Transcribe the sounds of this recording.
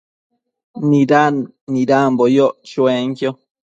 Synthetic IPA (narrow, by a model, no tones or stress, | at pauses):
nĩɾa | nĩɾambojoʔt͡ʃẽŋkjo